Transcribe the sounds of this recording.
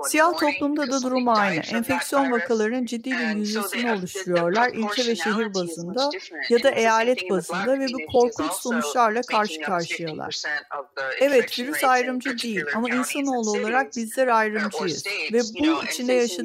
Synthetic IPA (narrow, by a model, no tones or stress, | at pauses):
sijaht̪ʰo̞plˠumd̪ad̪ad̪uɾumajnɯ̰ʔɛnfɛcsijo̞nvakʰalˠaɾɯnɯnd͡ʒid̪ːiːbiɾjyzesinio̞lˠuʃt̪ɾujo̞ɾlˠaɾilʲcʰɛvɛʃe̞ɦiɾbazɯnd̪a | jad̪aʔe̞jaːlʲɛt̪̚bazɯnd̪avɛbikʰo̞ɾkʰut͡ʃso̞nut͡ʃlˠaɾlˠakʰaɾʃɯ̥kʰaɾʃɯjalˠa̰ɾ̥ | ɛvɛt̪viɾysajɾɯmd͡ʒɯd̪ejilʲamainsano̞ːlˠuolˠaɾak̚bizlʲɛɾajɾɯmd͡ʒɯjɯ̰z̥vɛbuit͡ʃʰind̪ɛjaʃ